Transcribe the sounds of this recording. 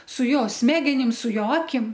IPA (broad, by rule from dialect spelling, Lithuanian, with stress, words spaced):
sʊ ˈjoː ˈsʲmʲæːɡʲɛnʲɪm sʊ ˈjoː ˈɑːkʲɪm